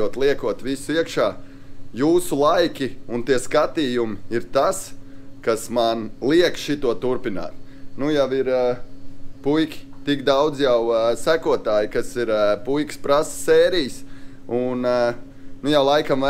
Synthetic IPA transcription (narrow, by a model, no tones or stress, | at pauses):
uɔt̪lˠiɛkuɔt̪ʋisʊiɛkʃaː | juːsulˠajkʲiunt̪iɛskat̪iːjumɪiɾt̪askasmanlˠiɛkʃit̪uɔt̪uɾpina̰ːt̪nujaʋiɾ | pujkʲi̥t̪ikd̪awd̪zjawsækuɔt̪aːjkasiɾpujkspɾassɛːɾijs | un | nujawlˠajkamʋa